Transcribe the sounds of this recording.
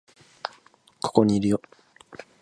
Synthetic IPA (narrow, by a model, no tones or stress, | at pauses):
kʰo̥ko̞ɲ̟iːɾɯ̟jo